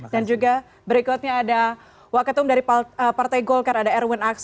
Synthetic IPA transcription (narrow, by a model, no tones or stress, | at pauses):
dand͡ʒuɡa | bəɾikɔt̪̚ɲaːda | wakət̪ʊmdaɾipəpart̪ajɡɔlkaɾadaɛrwɛnaks